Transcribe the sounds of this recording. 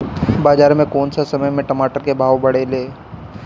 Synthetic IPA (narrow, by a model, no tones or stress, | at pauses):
baːd͡ʒaːɾmẽkoːnsasɐməjmẽʈɐmaːʈəɾkebʱaːʋbɐɽeleː